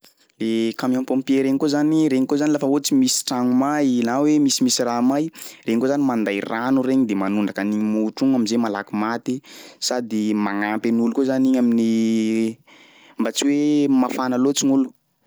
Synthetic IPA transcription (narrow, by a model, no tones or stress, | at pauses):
lekamampompieɾeɲikozaniɾeɲikozanilafaot͡simisi̥ʈ͡ʂaŋumajnawemisimisiramajɾeɲkozanimand̪ajranuɾeɲid̪emanuɳɖ͡ʐakaniɲimuuʈ͡ʂuŋaminzemala̰kimat̪isad̪imaŋampenulukozaniɲamini | mbat͡siwemafanalot͡siŋulu̥